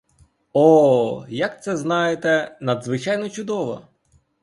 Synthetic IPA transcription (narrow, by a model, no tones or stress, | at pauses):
ɔjɐk̚t̪sɛznɑjet̪ɛnɐd̪zʋɪt͡ʃɑjnɔt͡ʃʊd̪ɔʋɔ̰